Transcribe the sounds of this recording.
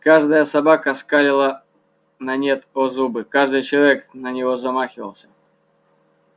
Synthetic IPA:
kaʐd̪əjəsɐbakəskalʲɪlˠə | nɐnʲet̪ozubɨkaʐd̪ɨjt͡ɕɪlˠɐvʲeknənʲɪvo̞zɐmaxʲɪvə̰lˠsʲə̥

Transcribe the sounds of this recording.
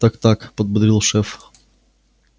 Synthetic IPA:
t̪akt̪akpəd̪̚bəd̪ɾʲilˠʂɛf

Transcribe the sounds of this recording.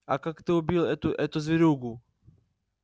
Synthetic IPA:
ɐ̰kakt̪ɨʊbʲilˠɛt̪ʊʔɛt̪ʊzvʲɪɾʲuɡʊ

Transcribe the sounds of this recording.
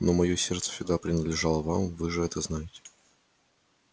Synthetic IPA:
no̞mɐjosʲert̪sə̥fʲsʲɪɡd̪apɾʲɪnəd̪lʲɪʐalˠəvamvɨʐɨɛt̪əznajɪtʲɪ̥

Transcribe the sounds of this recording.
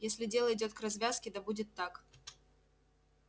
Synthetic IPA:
jesʲlʲɪdʲe̞lˠəɪdʲo̞t̪̚krɐzvʲaskʲɪd̪ɐbudʲɪt̪ːak

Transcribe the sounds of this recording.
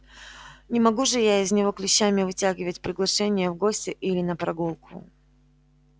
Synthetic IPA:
nʲɪmɐɡuʐɨjaɪznʲɪvo̞klʲɪɕːamʲɪvɨtʲaɡʲɪvət̚ʲpɾʲɪɡlˠɐʂɛnʲɪjəvɡo̞sʲtʲɪʔilʲɪnəpɾɐɡulˠkʰʊ̰

